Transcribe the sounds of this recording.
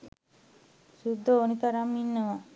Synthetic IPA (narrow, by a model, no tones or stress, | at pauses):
sud̪ːəonit̪aɾamːinːəʋa